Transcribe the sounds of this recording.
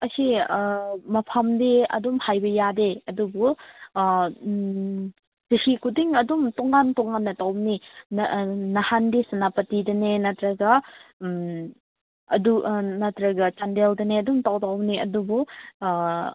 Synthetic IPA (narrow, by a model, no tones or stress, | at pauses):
ɐsi | mɐpʰamdeɐ̰dumhajbɐjadeɐdubu | tisikʰudiŋɐdumtɔŋantɔŋanːɐtawni | nɐhandisanapɐtidɐnenɐtɾɐɡɐ | ɐ̰dunɐtɾɐɡɐt͡ʃandeldɐneɐdumtawdawniɐdubu